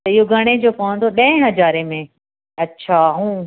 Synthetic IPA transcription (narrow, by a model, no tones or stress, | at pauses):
t̪ɐɪɦoɡʱɐɽ̃ed͡ʑoːpɐʋə̃nd̪oɗɐ̃ɦɪ̃ɦɐzaːɾemẽ | ɐtːɕʰaːɦũː